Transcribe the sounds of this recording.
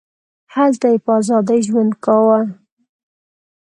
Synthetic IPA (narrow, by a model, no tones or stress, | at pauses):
hazd̪ajpəɑzɑd̪ajʒwand̪kawal